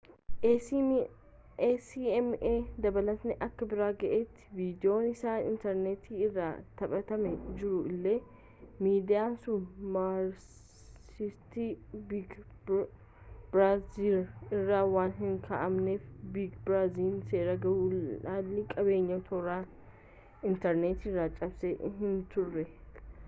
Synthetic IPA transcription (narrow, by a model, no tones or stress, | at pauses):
siːɛmeːd̪ɐbɐlɐt̪nɛʔɐkːɐbɪɾaːɡɐʔeːt̪ːɪ̥viːd̪ɪo̞ːnɪsaːnɪ̰nt̪ɛɾneːt̪iːɪrːa̰ːt̪ɐpʼɐt̪ɐmɛd͡ʒɪɾʊɪlːe̞ː | miːd̪ɪjaːsʊnmaɾ | ɪst̪ibɡ | bɾaːzilɪrːaːwaːnɦɪŋkʰɐʔɐmneːfbiːɡbɾaːziːlse̞ːɾɐɡɐwuːlaːnːɪkʼɐbe̞ːɲːɐt̪ʰɔɾaː | ɪnt̪ɛɾneːt̪irːaːt͡ʃʼɐbsɛɦɪnt̪ʊrːɛ